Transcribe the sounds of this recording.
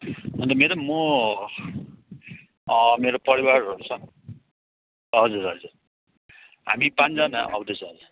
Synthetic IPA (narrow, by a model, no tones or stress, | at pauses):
ɦʌnd̪ʌmeɾʌmːʌ | meɾopʌɾiwarʌɾut͡sʰʌ | ɦʌd͡zuɾɦʌd͡zur | ɦa̰mipand͡zana̰ʔʌ̰wd̪et͡sʰʌʌd͡zu